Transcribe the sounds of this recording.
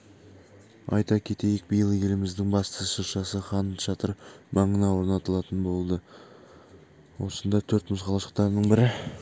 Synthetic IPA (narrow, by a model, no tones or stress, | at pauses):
ɑ̰jt̪ɑkʲʰe̞t̪e̞jɪk̚bijəlˠəjʲe̞lɪmɪzd̪ɪŋbɑst̪əʃəɾʃɑsəχɑnʃɑt̪əɾbɑɴənɑwo̞ɾnɑt̪əlˠɑt̪ənbo̞lˠd̪ə | wo̞sənd̪ɑt̪ʰɵɾt̪mʊzqʰɑlˠɑʃə̥q̚t̪ɑɾnəɴbɪɾɪ